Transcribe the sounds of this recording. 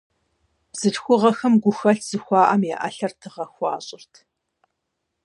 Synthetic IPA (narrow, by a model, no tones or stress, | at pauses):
b̥z̥ɨɬxʷʊʁɐxɐmɡʷʊxɐɬʰz̥ɨxʷɑːʔɐmjɛʔɐ̰ɬɐrtʰɨʁɐxʷɑ̰ːɕʼɪrtʰ